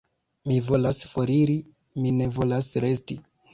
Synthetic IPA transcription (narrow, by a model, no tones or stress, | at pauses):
mivo̞lasfo̞ɾiɾi | mine̞vo̞lasɾe̞sti